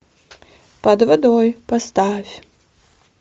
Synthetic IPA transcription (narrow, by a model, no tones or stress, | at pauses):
pɐd̪vɐd̪ɔjpɐst̪afʲ